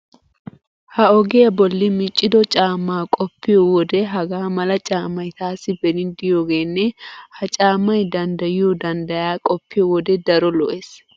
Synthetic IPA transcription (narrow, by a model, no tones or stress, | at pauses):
hɐɔɡeɐbɔlːɪmɪt͡ʃʼːɪd̪ɔt͡ʃʼaːmːaːkʼɔpːɪjɔwɔd̪ɛɦɐɡaːmɐlɐt͡ʃʼaːmːɐjt̪aːsɪbɛnɪd̪ɪjoːɡeːnːɛhɐt͡ʃʼaːmːɐjd̪ɐnd̪ɐjɪjod̪ɐnd̪ɐjaːkʼɔpːɪjɔwɔd̪ɛd̪ɐɾɔlɔʔeːs